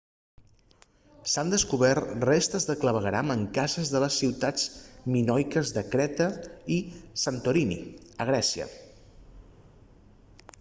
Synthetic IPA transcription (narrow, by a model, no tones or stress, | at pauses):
sand̪əskuβɛrt̪rest̪əzðəkləβ̞əɣɾaməŋkazəzðələsːiwt̪ad͡zminɔjkəzðəkɾɛt̪əisant̪oɾinḭəɣ̞ɾɛsiə̰